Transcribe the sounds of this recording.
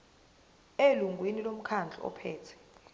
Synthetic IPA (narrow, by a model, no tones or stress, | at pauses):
eluŋʱwinilom̩kʰand͡ɮʱɔ̰ɔ̰pʰɛːtʰɛ̥